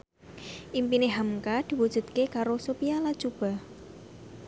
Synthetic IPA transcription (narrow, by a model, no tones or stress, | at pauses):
ʔimpineɦamkad̪̥i̤wud̥ʒ̥ṳt̪̚kekaɾosopialad̥ʒ̥ub̥a̤